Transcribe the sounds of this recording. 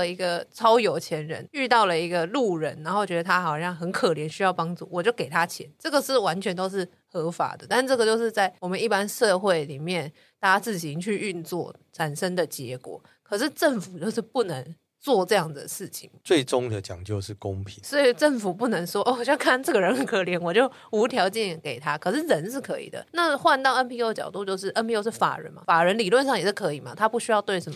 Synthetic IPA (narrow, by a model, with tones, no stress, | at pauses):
i˧˥ɡə˧t͡sʰɑ˥ʊjo˨˩ʊt͡ɕʰjɛ˧˥nɻə̰˧˥ny˥˧t̪ɑ˥˩ʊlə˩i˧˥ɡə˧lu˥˩ɻə˧˥na˧˥nxo˥˩ʊt͡ɕɥɛ˧d̪ə˧t̪ʰa˥xɑ˨˩ʊɕɑ˥˩ŋxə˧˦˥nkʰɤ˨˩ljɛ˧˥nɕy˥jɑ˥˩ʊpɑ˥ŋʈ͡ʂu˥˩wɔ˨˩t͡ɕjo˥˩ʊke˨˩ɪt̪ʰa˥t͡ɕʰjɛ̰˧˦nʈ͡ʂɤ˥˩ɡə˨˩ʂɻ̩˥˩wa˧˦˥nt͡ɕʰɥɛ˧˥nt̪o˥ʊʂɻ̩˥˩ | xɤ˧˥fa̰˨˩˦d̪ə˦t̪a˥˧n̩˥˧ʈ͡ʂɤ˥˩ɡə˩t͡ɕjo˥˧ʊʂɻ̩˥˧t͡sa˥˩ɪwɔ˨˩mə˦ni˥˩pa˦˥nʂɤ˥˧xwe˥˩ɪli˨˩mjɛ˥˩n | t̪a˥t͡sɹ̩˥˩ɕi˧˥ŋt͡ɕʰy˥˧y˥˧nt͡swɔ˥˩ | ʈ͡ʂʰa˨˩nʂə˥ŋd̪ə˨t͡ɕjɛ̰˧˥kwɔ̰˨˩˦ | kʰɤ˨˩ʂɻ̩˥˧ʈ͡ʂə˥˩nfu˨˩t͡ɕjo˥˧ʊʂɻ̩˥˧pu˥˩nə˧˦ŋ | t͡swɔ˥˧ʈ͡ʂɤ˥˧jɑ˥˩ŋd̪ə̰˩ʂɻ̩˥˩t͡ɕʰḭ˨˩˦ŋt͡swe˥˩ɪʈ͡ʂʊ˥ŋd̪ə˨t͡ɕjɑ̰˨˩ŋt͡ɕjo˥˧ʊʂɻ̩˥˩kʊ˦˥ŋpʰi˨˦ŋswɔ˧˥i˨˩ʈ͡ʂə˥˩ŋfu˨˩pu˥˩nə˧˥ŋʂwɔ˥ʔo˥˩ɔ˨˩ɕjŋkʰa˥˧nʈ͡ʂɤ˥˩ɡə˩ɻə˧˦nə˨˩ŋkʰɤ˧˥ljɛ˧˥nwɔ˨˩t͡ɕjo˥˩ʊu˧˥t̪ʰjɑ˧˥ʊt͡ɕjɛ˥˩nke˨˩ɪt̪ʰa˥kʰɤ˨˩ʂɻ̩˥˩ɻə˧˦nʂɻ̩˥˩kʰɤ˧˥ḭ˨˩d̪ə̰˩na˥˧xwa˥˧nt̪ɑ˥˩ʊə˦˥npʰi˥˧o˥t͡ɕjɑ̰˨˩ʊt̪u˥˧t͡ɕjo˥˧ʊʂ̬ɻ̩˥˩ʔə˥npʰi˥˧o˥ʊʂ̬ɻ̩˥˩fa̰˨˩ɻə̰˧˦nma̰˧˩fa˨˩ɻə˧˦nli˨˩lwə˥˧nʂɑ˥˩ŋjɛ˨˩ʂ̩˥˩kʰɤ˧˥i˨˩ma˨t̪ʰa˥pu˥˩ɕy˥jɑ˥˧ʊt̪we˥˩ɪʂə˧˥m˧˩